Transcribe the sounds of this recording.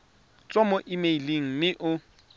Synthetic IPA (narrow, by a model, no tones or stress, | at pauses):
t͡sʼɔmɔʔimeiliŋ̩mɪʔʊ